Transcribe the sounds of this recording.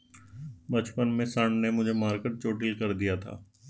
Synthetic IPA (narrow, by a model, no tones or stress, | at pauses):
bɐt͡ʃpənmẽsəɳɖnemʊd͡ʒʱemaːɾkəʈ̚t͡ʃoːʈilkɐɾd̪ijat̪ʰa̰ː